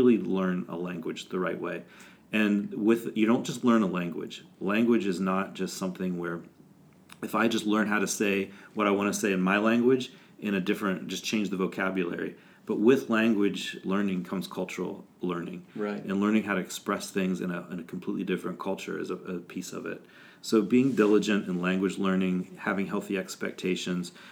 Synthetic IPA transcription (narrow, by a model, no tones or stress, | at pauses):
ɪlˠilɜ̃˞nə̰læ̃ŋɡwɨ̥d͡ʒðəɹaɪʔ̚wḛɪ | ɨ̃nwɪðjɨɾõʊ̃nd̥ʒ̥ʌs̬tˡlɜ̃˞nəlæ̃ŋɡwɪ̰̥d͡ʒ̥læ̃ŋɡwɨd͡ʒɨznət̚d̥ʒ̥ʌstsʌ̃mθɪ̃ŋwə˞ | ɨfaɪd͡ʒʌstˡlɜ̃˞nɦaʊɾɨseɪwʌɾaɪwɑ̃nɨseɪɨ̃nmaɪlæ̃ŋɡwɪd͡ʒ | ʔɨ̃ñɨdɪfɹɨ̃nd̥ʒ̥ʌst͡ʃʰẽɪ̃nd͡ʒðɨvoʊkʰæbjɨl̩ˠɛ̰ɹḭ | b̥ʌt̚wɪðlæ̃ŋɡwɨd͡ʒlɜ̃˞nɪ̃ŋkʰʌ̃mz̥kʰʌlˠt͡ʃə˞l̩ˠ | lɜ̃˞nɪ̰̃ŋɹaɪɨ̃nlɜ̃˞nɪ̃ŋɦaʊɾɨɨkspɹɛsθɪ̃ŋzɨ̰̃nɨɪ̃nɨkʰm̩pʰl̥itˡlidɪfɹɨ̃nkʰʌlˠt͡ʃə̰˞ɨ̰zəɨpʰisʌ̰vɪ̰t̚ | soʊbiɪ̃ŋdɪlˠəd͡ʒɨ̃ntɨ̃nlæ̃ŋɡwɨd͡ʒlɜ̃˞nɪ̃ŋhævɪ̃ŋɦɛlˠθiɛkspɛ̰k̚tʰeɪʃɨ̃nz̥